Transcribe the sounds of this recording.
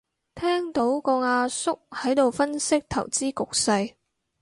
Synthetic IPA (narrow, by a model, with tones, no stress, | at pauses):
t̪ʰɛː˥ŋt̪o˨˥wkɔː˧ŋaː˧sʊ˥k̚hɐ˨˥jt̪o˨wfɐ˥nsɪ˥k̚t̪ʰɐ̰˨˩wt͡siː˥kʊ˨k̚sɐ˧j